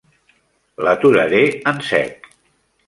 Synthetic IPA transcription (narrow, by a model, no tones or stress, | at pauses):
lət̪uɾəɾeənsɛ̰k